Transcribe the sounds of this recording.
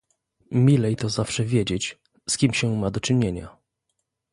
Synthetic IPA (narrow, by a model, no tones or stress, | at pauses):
mʲilɛjt̪ɔzafʂɛvʲjed͡ʑet͡ɕ | skʲimɕɛmad̪ɔt͡ʂɘɲeɲa̰